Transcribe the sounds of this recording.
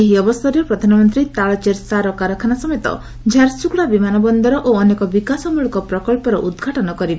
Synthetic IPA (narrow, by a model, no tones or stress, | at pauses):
eɦiɔbɔst̪ʰɔɾjɔpɾɔd̪ʱanɔmɔnt̪ɾit̪aɭɔt͡ʃeɾsaɾɔkaɾɔkʰanasɔmet̪ɔ̰ | d͡ʒʱaɾsukɭabimanɔbɔnd̪ɔɾɔʔoɔnekɔbikasɔmuɭɔkɔpɾɔkɔlpɔɾɔʔud̪ɡʱaʈɔnɔkɔɾibe